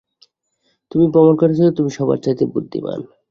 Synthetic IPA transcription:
t̪umipɔmonkaɾt͡ɕʰilot̪umiʃɔβa̰ɾt͡ɕat̪ebud̪ʱːḭma̰n

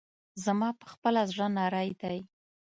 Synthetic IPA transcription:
zamɑpə̥xpəlazɽənɑɾɑjd̪aj

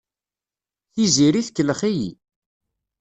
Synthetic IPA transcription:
θiziɾiθkːələχijḭ

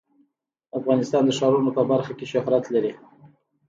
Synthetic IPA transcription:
afɣɑnɪst̪ɑnd̪əʃɑɾunopəbaɾxakeʃʊɦɾat̪laɾi

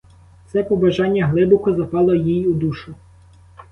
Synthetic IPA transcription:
t̪sɛpɔbɐʒɑnʲːɐɦlˠɪbʊkʊzɐpɑlˠɔjijud̪uʃʊ

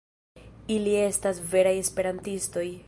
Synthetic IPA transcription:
ilie̞stasve̞ɾaje̞spe̞ɾantisto̞j

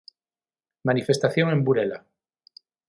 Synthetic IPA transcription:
manife̞st̪aθjoŋẽ̞mbuɾela̰

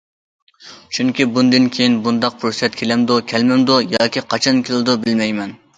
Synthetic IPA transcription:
t͡ʃʰyŋkʲibund̪ɨnkʲʰejinbund̪ɑq̚pʰʊɾusɛt̪̚kʲʰelɛmd̪ukʲʰɛlmɪmd̪ujɑːkʲiqʰɑt͡ʃʰɑnkʲʰelɨd̪ubɪlmɛjmɛn

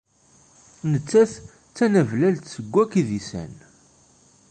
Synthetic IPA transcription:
nət͡sːæθ | t͡sːænəvlælt̪səɡʷːækiðisæ̰n

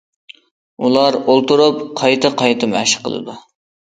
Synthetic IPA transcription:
ulˠɑɾolˠt̪uɾupqʰɑjt̪ʰɨqʰɑjt̪ʰɨmɛ̰ʃqʰə̰lˠɨ̰d̪u

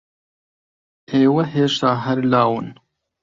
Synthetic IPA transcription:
eːwɐɦeːʂt̪aːɦɐɾlaːwun

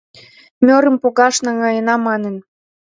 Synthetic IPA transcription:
mʲøɾə̆mpoɣɑʃnɑŋɑjənɑmːɑnen

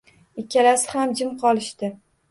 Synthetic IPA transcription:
ɪkʲːalasɪhamd͡ʒɪmqʰɒlˠɪʃt̪ɪ

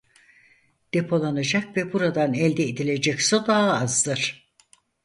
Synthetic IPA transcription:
d̪̥e̞pʰo̞lˠanad͡ʒakvɛbuɾad̪anɛlʲd̪eːd̪ilʲe̞d͡ʒɛcsod̪aɦaazd̪ɯɾ̥

